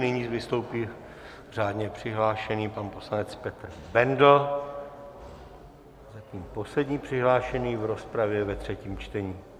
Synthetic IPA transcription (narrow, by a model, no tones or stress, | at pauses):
nɪɲiːzvɪst̪o̞wpiː | r̝aːdɲɛpr̝̥ɪɦlaːʃɛniːpanpo̞slanɛt͡spɛt̪r̩bɛndl̩ | zat̪ɲiːmpo̞slɛdɲiːpr̝̥ɪɦlaːʃɛniːvɾo̞spɾavjɛvɛt̪r̝̥ɛciːmt͡ʃt̪ɛɲiː